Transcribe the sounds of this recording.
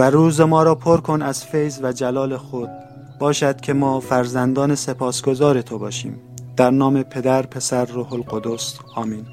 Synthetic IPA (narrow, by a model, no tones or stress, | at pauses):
væɾuːzemɒːɾɒːpʰoɾkʰo̞næz̥fejzvæd͡ʒælɒːle̞xod̪̥̚ | b̥ɒːʃæd̪̥̚kʲʰe̞mɒːfæɾzænd̪ɒːnese̞pʰɒːsɡo̞zɒːɾe̞t̪ʰobɒːʃḭːmd̪̥æɾnɒːme̞pʰe̞d̪æɾpʰe̞sæɾːoːholɡod̪os | ɒːmin